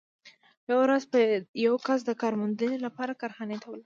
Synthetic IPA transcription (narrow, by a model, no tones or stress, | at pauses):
jawɾazpəjawkas̬d̪əkɑɾmʊnd̪ənelapɑɾakɑɾxɑnet̪awəla